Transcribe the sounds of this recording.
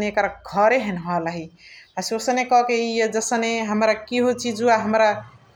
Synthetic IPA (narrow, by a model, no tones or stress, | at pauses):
neekɾaɡʱʌɾeɦənɦʌləɦiasiosənekʌkeijed͡ʒəsəneɦəmɾakiɦot͡ʃʰid͡ʒuaɦəmɾa